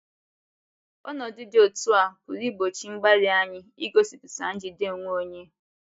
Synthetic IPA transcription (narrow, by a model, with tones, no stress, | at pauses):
ɔ̰˦nɔ˨dʊ˦dɪ˦o˨tu˦a˨kʊ˨ɾi˦ɡ͡bo˨t͡ʃi˦ŋ͡m̩˦ɡ͡ba˦ɾɪ˦a˦ɲɪ˦i˦ɡo˦si˨pi̥˨sa̰˨n̩˦d͡ʒɪ˨de˦˨ŋʷ˦o˦ɲe˦